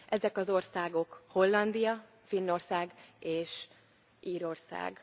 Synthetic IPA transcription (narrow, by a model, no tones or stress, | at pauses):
ʔɛzɛkɒzo̞rsaːɡo̞kho̞lːɒnd̪ijɒ | finːo̞rsaːɡeːʃ | ʔiːɾo̞rsa̰ːɡ